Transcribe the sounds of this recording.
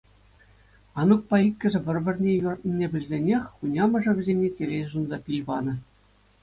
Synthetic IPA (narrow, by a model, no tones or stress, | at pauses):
ɑnuk̚pɑikʲːɘ̆ʐɘ̆ʋʲɘ̆rʲbʲɘ̆rʲnʲejurt̪̚ʲnʲinʲebʲɘ̆lʲzʲenʲexʲunʲɑmɤ̆ʐɤ̆ʋʲɘ̆zʲenʲetʲelʲejzunzɑpʲijʋɑnɤ̆